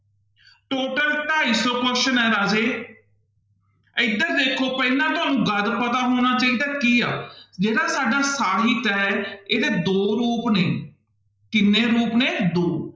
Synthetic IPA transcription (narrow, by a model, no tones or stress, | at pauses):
ʈoːʈəlʈ̪aːiːsɔːkəʃənɛːɾaːd͡ʒeː | ɪd̪əɾd̪eːkʰoːpɛɪnãːt̪ʊɦaːnũːɡəd̪pət̪aːɦoːɽ̃aːt͡ʃaːiːd̪aːkiːa̰ːd͡ʒeːɽaːsaːɖaːsaːɾiːt̪ɛːɛeːd̪eːd̪oːɾuːpnẽː | kɪnːeːɾuːpneːd̪oː